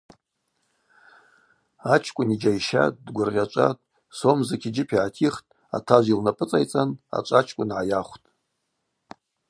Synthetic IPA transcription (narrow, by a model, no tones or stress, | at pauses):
at͡ʃʰkʷʼʊnid͡ʒajʃa̰dɡʷʊrʁʲat͡ʃʷʼa̰tʼ | somzakʲʰid͡ʒɪpʰiʕatʰiχtʼ | a̰tʰaʒʷilnapʼɨt͡sʼajt͡sʼana̰t͡ʃʷʼat͡ʃʰkʷʼʊnʕajaχʷtʼ